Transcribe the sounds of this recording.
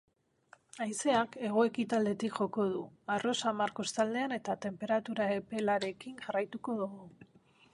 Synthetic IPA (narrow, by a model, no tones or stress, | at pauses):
ajse̞ake̞ɣ̞o̞e̞kit̪ald̪e̞t̪ikʝo̞ko̞ð̞uaro̞samaɾko̞st̪ald̪e̞ane̞t̪at̪e̞mpe̞ɾat̪uɾae̞pe̞laɾe̞kiŋʝarajt̪uko̞ðoɣo